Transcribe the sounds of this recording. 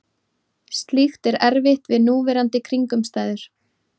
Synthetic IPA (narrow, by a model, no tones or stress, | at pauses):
st̪lixt̪ɛɾɛɾvɪht̪vɪðnuːvɛɾant̪ɪkʰɾiŋkʏmst̪aːjðʏɾ̥